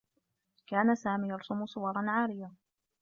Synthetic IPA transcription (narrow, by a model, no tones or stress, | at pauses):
kaːnasaːmiːjɑɾˤsʊmʊsˤʊwɑɾˤɑnʕaːɾɪja